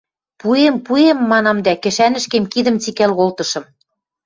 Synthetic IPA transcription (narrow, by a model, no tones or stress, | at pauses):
puempuemːɑnɑmd̪ækɘ̆ʃænɘ̆ʃkemkid̪ɘ̆mt͡sikælɣolt̪ɤ̆ʃɤ̆m